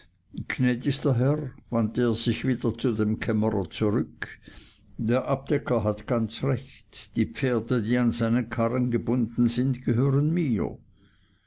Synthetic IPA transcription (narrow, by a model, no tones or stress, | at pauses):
kʰnɛːdɪçstɐɦɛʁvanteːɐz̥ɪçviːdɐt͡sudemkʰɛməʁɐ̰t͡suʁʏk | d̥eːɐʔab̚d̥ɛkʰɐɦatɡ̥ant͡sʁɛçtd̥iːpp͡feːɐdədiːanzaɪnənkʰaʁənɡəbʊndn̩zɪntɡ̥əɦøːʁənmiːɐ̰